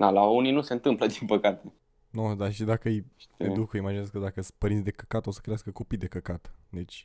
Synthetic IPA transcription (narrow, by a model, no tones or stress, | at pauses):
d̪alauninuse̞ɨnt̪ɨmpləd̪inpəkat̪e | nod̪aʃid̪akəɨj̪ed̪ukimad͡ʒinəzkəd̪akəspəɾinsʲd̪e̞kəkat̪osə̥kɾeaskəko̞pid̪e̞kəkat̪d̪e̞t͡ʃʲ